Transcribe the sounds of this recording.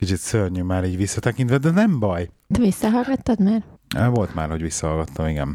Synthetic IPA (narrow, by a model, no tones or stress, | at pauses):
kit͡ʃit̪sørɲymaːɾiːɟʋisːɒt̪ɛkint̪ʋɛd̪ɛnɛmbɒj | t̪ɛvisːɒɦɒlɡɒt̪ːɒd̪maːrøvo̞lt̪ma̰ːrho̞ɟvisːɒɦɒlɡɒt̪ːɒmiɡɛ̰n